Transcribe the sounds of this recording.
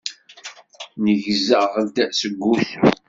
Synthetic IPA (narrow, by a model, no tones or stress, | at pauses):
nəʝzəʁəld̪æsəɡʷːuθu